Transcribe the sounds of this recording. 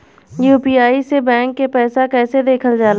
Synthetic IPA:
juːpiaːisebɛ̃ːŋkːepɛːsakɛːsed̪eːkʰəld͡ʒaːla

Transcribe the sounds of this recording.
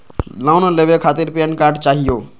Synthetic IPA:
laʊnleʋekʰaːt̪ɪɾpijənkaːɾɖt͡ʃaːɦijoː

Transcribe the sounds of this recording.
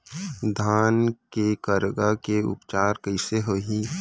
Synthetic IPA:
d̪ʱaːnkekəɾɡakeʊ̰pt͡ʃaːɾkəɪseɦoɦi

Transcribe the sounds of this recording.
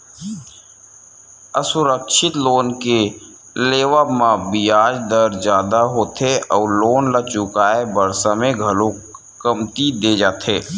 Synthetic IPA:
əsʊɾəkʃɪt̪loːnke | leːʋamãbijaːd͡ʒd̪əɾd͡ʒjaːd̪aɦoːt̪ʰeʔɔːɾloːnlət͡ʃʊkaːebəɾsamẽɡʱɐlõ | kəmt̪id̪eːd͡ʒaːt̪ʰeː

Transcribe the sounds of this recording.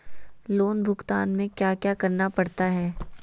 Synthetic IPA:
loːnbʱʊkt̪aːnmẽkjaːkjaːkɐɾnapɐɽt̪aɦɛː

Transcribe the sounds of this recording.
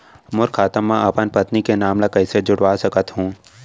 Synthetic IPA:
mʊɾkʰaːt̪əmːãɐpənpət̪nikenaːmlakɐɪsed͡ʒʊɽʋaːsɐkət̪ɦũː

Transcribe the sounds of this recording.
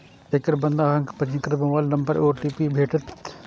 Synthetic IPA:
ekəɾbɐ̃nd̪aːɦɐ̃ŋkpɐd͡ʒɪkəɾbɐʋaːlnɐ̃mbəɾoːʈiːpibʱeːʈət̪

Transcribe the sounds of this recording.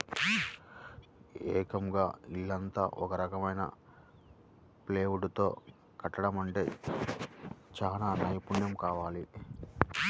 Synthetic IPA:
ɛːkɐmɡaːilːɐnt̪a̰ːʔɔkɐɾɐkɐmɐjnɐ̰ | pleːʋuɽt̪o̞̰ː | kɐʈːɐɽɐmɐɳʈe̞ː | t͡ʃaːnaːnɐjpunjɐmkaːʋaːli

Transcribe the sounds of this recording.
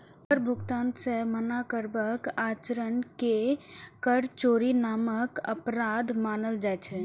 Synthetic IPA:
əɾbʱuɡt̪ansẽmənakəɾbəkat͡ʃəɾənkekəɾt͡ʃoɾinaməkə̰pɾad̪ʱmanəld͡ʒajt͡ʃʰɛ

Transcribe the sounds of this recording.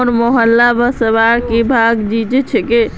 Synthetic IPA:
ɾmoɦəlːabəsəbaɾkebʱaɡd͡ʒid͡ʒɛt͡ʃʰɛke

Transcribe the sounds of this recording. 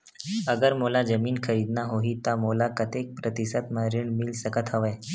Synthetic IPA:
əɡəɾmolad͡zəmiːnkʰəɾid̪naɦoɦiːt̪amolakət̪ek̚pɾət̪isət̪məɾiɳmilsəkət̪ʰəʋaj

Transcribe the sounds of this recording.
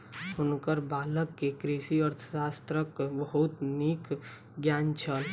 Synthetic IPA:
ʊnkəɾbaːləkːekɾiʃiəɾt̪ʰə̥ʃaːst̪ɾəkbəɦʊt̪niːk | ɡjaːnt͡ʃʰəl

